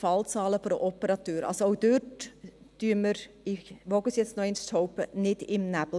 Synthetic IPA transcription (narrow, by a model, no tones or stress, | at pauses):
fɑlt͡sɑːləfoɾəʔɔpəɾɑt̪øːɾɑ̰lsoowd̥øt | d̥yəməɾ | ɪʋɔɡəsjɛt͡snɔɛɪnst͡shoʊpənɪdɪmnæb̥l̩